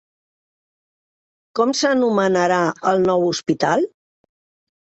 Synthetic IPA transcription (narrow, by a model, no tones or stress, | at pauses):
kɔmsənumənəɾaəlˠnɔwuspit̪alˠ